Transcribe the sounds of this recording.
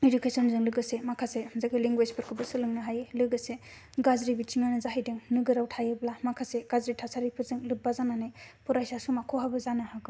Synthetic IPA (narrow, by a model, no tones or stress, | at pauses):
edukʰesɔnzɯŋlɯɡɯsemakʰasezakʰɯliŋɡwespʰɯɾkʰɯbɯsɯlɯŋnɯɦajlɯɡɯse | ɡazɾibit͡ʃiŋanɯzaɦajdeŋnɯɡɯɾawtʰajɯblamakʰaseɡ̥azɾitʰasaɾipʰɯɾzɯŋlɯp̚bazananɯjpʰɔɾajsasumakʰɔɦabɯzanaɦaɡɯ